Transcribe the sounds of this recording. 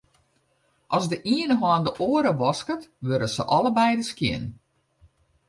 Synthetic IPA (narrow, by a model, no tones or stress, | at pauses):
ʔɔzdəʔiənəɦwɔːndəʔoːəɾəʋɔskətʋøɾəsəʔɔləbɛjdəskjɪ̰n